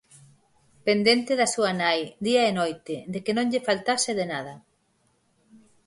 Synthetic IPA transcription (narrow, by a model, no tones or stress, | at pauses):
pend̪ent̪ɪðɐsuɐnajd̪iaenojt̪ɪd̪ekenõŋʎɪfalt̪asɪðenað̞ɐ